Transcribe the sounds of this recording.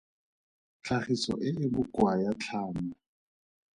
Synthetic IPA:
t͡ɬʰaχisɔ̰ʔɪɪbʊkwajat͡ɬʰaːma

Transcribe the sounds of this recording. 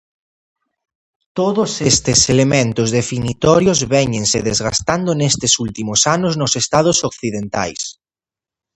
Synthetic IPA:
t̪oðosest̪eselemẽnt̪ʊzðefinit̪ɔɾjozβɛɲẽnseðezɣast̪and̪onest̪esult̪imosanoznosest̪að̞osokθiðent̪a̰js

